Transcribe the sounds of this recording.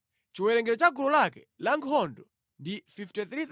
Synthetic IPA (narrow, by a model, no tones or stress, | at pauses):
t͡ʃiwɛɾɛŋɡɛɾɔt͡ʃaɡulɔlakɛ | laŋʰɔndɔ | ndififtɛθɾi